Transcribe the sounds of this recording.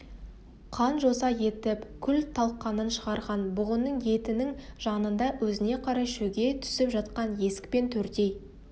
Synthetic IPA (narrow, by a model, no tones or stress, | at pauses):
qʰɑnʒo̞sɑje̞t̪ɪpkʲʰʏlt̪ʰɑlˠqːɑnənʃəʁɑɾʁɑnbʊʁʊnːəɴje̞t̪ɪnɪŋʒ̥ɑnənd̪ɑwɵzɪne̞qʰɑɾɑjʃɵɡʲe̞t̪ʰʏ̥sɪpʒɑt̪qɑnje̞sɪ̥kpe̞nt̪ʰɵɾt̪e̞j